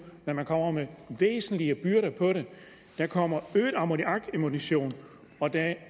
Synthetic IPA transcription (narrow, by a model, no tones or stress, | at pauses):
næmænkʰɒ̽m̰ɐmeʋḛːsn̩liəb̥yɐɾɐpʰɒ̽ɾe̝ | d̥ækʰɒ̽m̰ɐøːd̥ɑ̈modiʔɑ̈ɡ̥emuniɕo̝̰ːn | ɒ̽d̥æ